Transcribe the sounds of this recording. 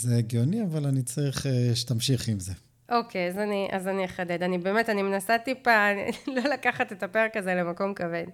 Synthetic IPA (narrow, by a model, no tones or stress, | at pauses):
zeɡjoniavalanit͡saʁiχeʃetamʃiχimze | ʔo̞kʰeazaniʔa̰zaniχaded̪anibe̞ːmetanimenasatipa̰lo̞lakaχatetapeʁekːazelemako̞mkaven